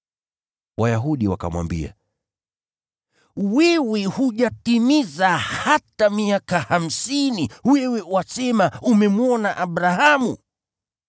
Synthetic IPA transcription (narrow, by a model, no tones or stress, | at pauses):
wajaɦuɗiwaka̰mwa̰mbḭa̰ | wɛwɛhuʄatimizahatamiakaham̩siniwɛwɛwasɛmaumɛmuɔnaʔaɓɾahamṵ